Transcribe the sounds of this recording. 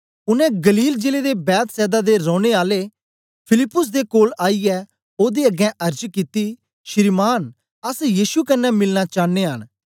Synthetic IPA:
ʊnɛ̃ɡəliːld͡ʒeːled̪ebɛːt̪sɛːd̪ad̪eɾɔ̃ːɽ̃eaːle | pʰɪlɪpːʊs̬d̪ekoːlaːiɛ | oːd̪iɐɡɛ̃ʔɐɾd͡ʒkit̪i | ʃɪɾmaːn | ɐsjiːʃukɐnːɛmɪlnat͡ʃaːnːeɦə̰n

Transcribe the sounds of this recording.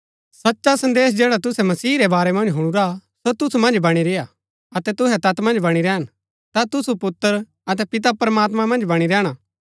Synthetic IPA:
sɐtːʃasɐ̃nd̪eːsd͡ʒɛːɽat̪ʊsɛmɐsiːɾɛbaːɾɛmɐ̃nd͡ʒɦʊɽ̃uɾasot̪ʊsumɐ̃nd͡ʒbɐɽ̃iɾeja | ɐt̪ɛt̪ʊɦɛt̪ɐt̪mɐ̃nd͡ʒbɐɽ̃iɾɛːn | t̪at̪ʊsupʊt̪ːəɾ | ɐt̪̬ɛpɪt̪̬apɾɐmaːt̪mãmɐ̃nd͡ʒbɐɽ̃iɾɛːɽ̃a

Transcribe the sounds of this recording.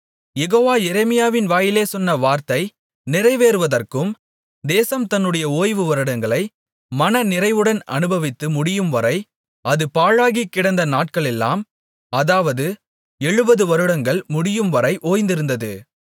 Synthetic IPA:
jɛɣoːʋaːjɛɾɛmɪjaːʋɪnʋaːjɪleːsɔnːɐʋaːɾt̪ɐɪ | nɪɾɐɪʋeːɾɯʋɐðɐrkɯm | d̪eːsɐmt̪ɐnːɯɽɐjɐoːjʋɯʋɐɾɯɽɐŋɡɐɭɐɪ | mɐnɐnɪɾɐɪʋɯɽɐnɐ̰nɯbɐʋɪt̪ːɯmʊɽɪjɯmʋɐɾɐɪ | ɐðɯpaːɻaːɣikːɪɽɐnd̪ɐnaːʈ̚kɐɭɛlːa̰ːm | ɐðaːʋɐðɯ | ɛɻɯbɐðɯʋɐɾɯɽɐŋɡɐɭmʊɽɪjɯmʋɐɾɐɪʔoːjnd̪ɪɾɯnd̪ɐðɯ

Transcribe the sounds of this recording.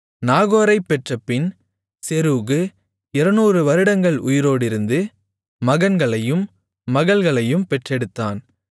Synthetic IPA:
naːɣoːɾɐɪpːɛʈrɐpːɪn | sɛɾuːɣɯ | ɪɾɐnuːrɯʋɐɾɯɽɐŋɡɐɭʊjɪɾoːɽɪɾɯnd̪ɯ | mɐɣɐnɡɐɭɐjɯmː | ɐɣɐɭɣɐɭɐjɯmpɛʈrɛɽɯt̪ːaːn

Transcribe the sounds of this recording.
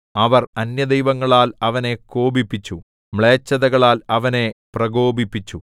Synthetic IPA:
ɐʋɐrɐnjɐd̪ejʋɐŋːɐɭaːlɐʋɐne̞ko̞ːbipːit͡ɕːu | mɭeːt͡ɕːɐðɐɣɐɭaːlɐʋɐne̞prɐɡo̞ːbipːit͡ɕːu

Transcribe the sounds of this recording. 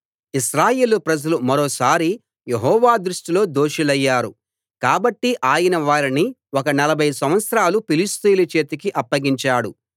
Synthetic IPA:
iʃɾaːje̞ːlupɾɐd͡ʒɐlumɐɾoːsaːɾi | jeɦɔːʋaːd̪ɾuʂʈilo̞ːd̪oːʂilɐjːaːɾu | kaːbɐʈːiʔaːjɐnɐʋaːɾiniɔkɐnɐlɐbʱɐjsɐm̃ʋɐt̪sɾaːlupilist̪iːlɐt͡ʃe̞ːt̪ɐkiʔɐpːɐɡiɲt͡ʃaːɽu

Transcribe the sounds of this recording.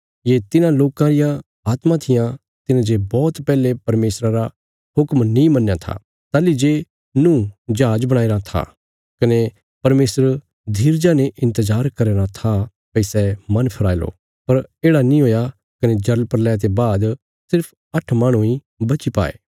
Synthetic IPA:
jet̪ɪnãloːkãɾɪjã | aːt̪mãt̪ʰɪjã | t̪ɪnãd͡ʒebɔːt̪pɛːlepɐɾmeːsɾaɾa | ɦʊkmnĩmɐnːjat̪ʰa̰ | t̪aːlid͡ʒe | nũːd͡ʒaːd͡ʒbɐɽ̃aːeːɾat̪ʰa̰ | kɐne | pɐɾmeːsəɾ | d̪ʱiːɾd͡ʒaːneʔɪ̃nt̪əzaːɾkɐɾeːɾat̪ʰa | pɐisɛmɐnpʰɐɾaːilo̰ | pɐɾeːɽanĩɦoːja | kɐned͡ʒɐɾlpɐɾlɛːt̪̬ebaːd̪ | sɪɾpʰ | ɐʈʰmaːɽ̃ũĩ | bɐt͡ʃipa̰ːḛː

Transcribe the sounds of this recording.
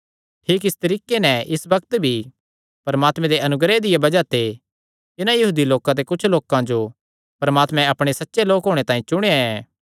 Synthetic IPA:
ʈʰiːkɪst̪ɐɾiːkenɛɪsbɐk̚t̪bʱi | pɐɾmaːt̪mɛ̃d̪eʔɐnʊɡɾed̪ɪjabɐd͡ʒat̪e | t̪ɪnãjɐɦuːd̪iloːkãt̪̬ekʊt͡ʃʰloːkãd͡ʒo | pɐɾmaːt̪mɛ̃ɐpɽ̃esɐtːʃeloːkɦoːɽ̃et̪ãːĩt͡ʃʊɽ̃eaɛː

